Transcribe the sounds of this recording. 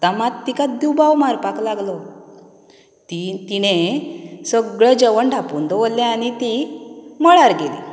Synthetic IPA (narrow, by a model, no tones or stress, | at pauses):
t̪amat̪ːikad̪iwbawmaɾpaklaɡlɔ | t̪it̪inesəɡɭad͡ʑəʋəɳɖʱapund̪ɔʋolːãañit̪iməɭaɾɡelḭ